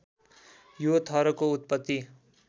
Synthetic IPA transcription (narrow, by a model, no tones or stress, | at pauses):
jot̪ʰʌɾʌkout̪̚pʌt̪ːi